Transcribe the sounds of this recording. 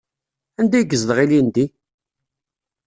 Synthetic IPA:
ænd̪æjɡəzðəʁilind̪i

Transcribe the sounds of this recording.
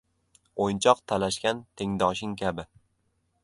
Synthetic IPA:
ojnt͡ʃʰɒqt̪ʰalaʃkʲant̪ʰe̞ŋd̪ɒʃɪŋkʲʰabɪ

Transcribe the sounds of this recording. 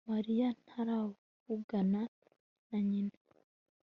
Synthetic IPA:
maɾijanhaɾa | vuɡana | naɲine

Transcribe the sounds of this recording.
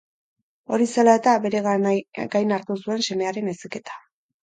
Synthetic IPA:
o̞ɾiselae̞t̪abe̞ɾe̞ɣɡajnaɾt̪usue̞nse̞me̞aɾe̞nesike̞t̪ḁ

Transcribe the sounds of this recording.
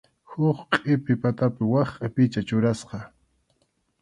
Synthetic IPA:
hʊχqʼɪpɪpat̪apɪwɑχqʼapɪt͡ʃat͡ʃʊɾasqɑ

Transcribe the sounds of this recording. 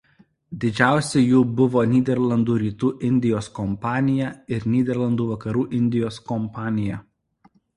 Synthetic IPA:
d̪ʲɪd͡ʒʲæˑʊsʲɛjuːbʊʋoːnʲiːd̪ʲɛɾlˠɐnd̪uːɾʲiːt̪uːʔɪnʲd̪ʲɪjoːskɔmpɑːnʲɪjæɪɾnʲiːd̪ʲɛɾlˠɐnd̪uːʋɐkɐɾuːʔɪnʲd̪ʲɪjoːskɔmpɑːnʲɪjɛ

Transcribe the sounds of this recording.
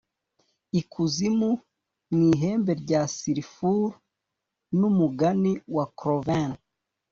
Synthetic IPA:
ikʰuzimu | niɦe̞ːmbe̞ɾɟasiɾifuɾ | numuɡaniwakɾovan

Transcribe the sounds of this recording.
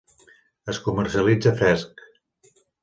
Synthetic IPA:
əskumərsiəlid͡zəfɾɛsk

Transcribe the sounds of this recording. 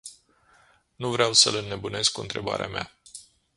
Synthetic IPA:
nuvɾeawsələnːe̞bune̞skuɨ̰nt̪ɾe̞ba̰ɾeamea̰

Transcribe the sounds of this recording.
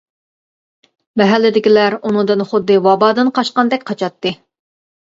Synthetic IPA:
mɛɦælːɪd̪ɪkʲilæɾunɨ̃ŋd̪ɨnχʊd̪ːɨwɑbɑːd̪ɨnqʰɑʃqɑnd̪ɛkʲqʰɑt͡ʃʰɑt̪ːɨ

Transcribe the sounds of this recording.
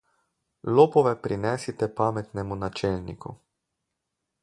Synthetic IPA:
loːpɔʋɛpɾinɛsit̪ɛpaːmɛt̪nɛmunat͡ʃɛlnḭkṵ

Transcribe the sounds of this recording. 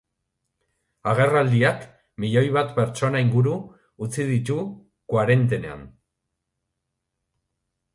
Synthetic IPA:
aɣ̞e̞rald̪iak | miʎo̞jβ̞at̪pe̞ɾt͡ʃo̞naiŋɡuɾuː | t͡sið̞it̪u | kwaɾe̞nt̪e̞ne̞a̰n

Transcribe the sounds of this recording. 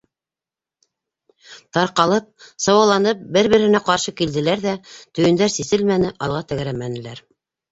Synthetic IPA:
t̪ɑɾqɑlˠɤp̚sɑwɑlˠɑnɤp̚bɘɾβɘ̆ɾhɘ̆næqɑɾʃɤkild̪ɘ̆læɾðæt̪ɵ̆jɘ̆nd̪æɾsisɘlmænɘʔɑlˠʁɑt̪æɡɾæmænɘ̆læɾ

